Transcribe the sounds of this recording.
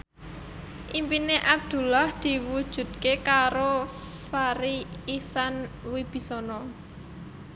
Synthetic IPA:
ʔimpineʔab̚d̪̥ṳlahd̪̥i̤wud̥ʒ̥ṳd̪̚kekaɾo | faɾiisan | wib̥i̤sɔnɔ

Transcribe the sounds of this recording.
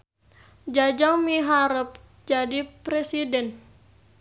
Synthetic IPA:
d͡ʒad͡ʒaŋmiɦaɾəp̚ | d͡ʒadipɾesidɛn

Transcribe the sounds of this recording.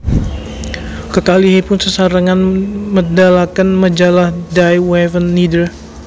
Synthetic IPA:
kəkaliɦipʊnsəsaɾaŋanmədalakanmad͡ʒalahdajwɛvənːidəl

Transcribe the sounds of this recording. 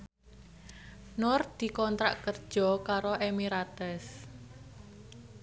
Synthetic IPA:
nʊr̚d̪̥i̤kɔnt̪ɾa̰ʔkərd̥ʒ̥ɔ̤kaɾoʔemiɾat̪ɛs

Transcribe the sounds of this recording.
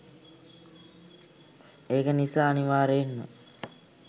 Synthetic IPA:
eːkənisaːniʋaːɾeːnːə̰

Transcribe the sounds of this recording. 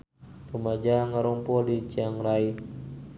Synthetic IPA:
rumad͡ʒaŋaɾɔmpɔlit͡ʃiaŋrai

